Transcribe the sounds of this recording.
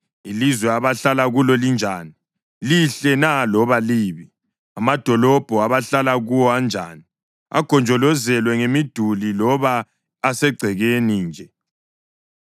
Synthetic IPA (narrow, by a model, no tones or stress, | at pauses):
ilizwɛaβaɬalaɣulɔlind͡ʒʱaːni | liɬɛnalɔβaliːβi | amad̥ʱɔlɔb̥ʱɔaβaɬalaɣuwɔand͡ʒʱa̰ːni | a̰ɡ̥ʱɔnd͡ʒʱɔlɔzɛlwɛŋemid̥ʱulilɔβaː | sɛɡ͡ǀʱɛɣeniːnd͡ʒʱɛ